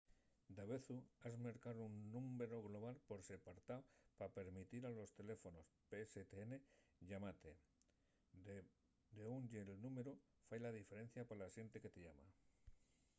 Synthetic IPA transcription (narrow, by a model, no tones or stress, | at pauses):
d̪aβe̞θuazmeɾkaðounːume̞ɾoɣlo̞β̞alpo̞ɾse̞paɾt̪aopape̞ɾmit̪iɾalo̞st̪e̞le̞fo̞no̞speset̪eene̞ʎamat̪e | d̪eunɟelnume̞ɾu | fajlað̞ife̞ɾe̞n̟θjapalasje̞nt̪e̞ke̞t̪eʝama̰